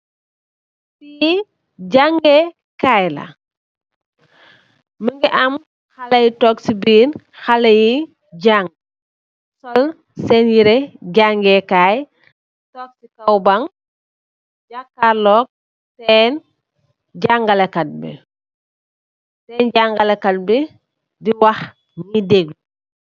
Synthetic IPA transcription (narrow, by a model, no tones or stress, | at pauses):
fii | ɟaŋɡɛ | kajlɐ̰ | məŋɡiʔɐm | xɐlɐjitɔːksibiːn | xalɐji | ɟaŋ | sɔl | sɛnjiɾɛɟaŋɡɛkaːj | tɔːk̚sikɐwbaŋ | ɟakːaɾlɔːk̚ | sɛn | ɟaŋɡɐlɐkɐt̚bḭ | sɛːnɟaŋɡɐlɐkɐt̚bi | diwɐx | ɲideɡli